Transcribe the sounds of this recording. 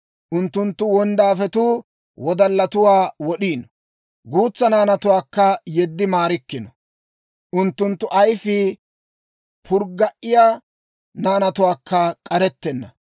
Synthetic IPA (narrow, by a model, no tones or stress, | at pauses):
ʔʊnt̪ːʊnt̪ːʊwɔnd̪aːfɛt̪uː | wɔd̪ɐlːɐt̪ʊwaːwɔɗiːnɔ | ɡuːt͡sːɐnaːnɐt̪ʊwaːkːɐjɛd̪ːɪmaːɾɪkːɪnɔ | ʔʊnt̪ːʊnt̪ːʊʔɐjfɪ | pʰʊɾɡɐʔːɪjaː | naːnɐt̪ʊwaːkːɐkʼɐɾɛt̪ːɛnːɐ̰